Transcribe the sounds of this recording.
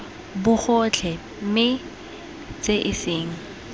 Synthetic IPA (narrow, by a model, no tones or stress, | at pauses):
bʊk͡xɔt͡ɬʰɛ | mɪ | t͡sʼeʔɪsɪːŋ̩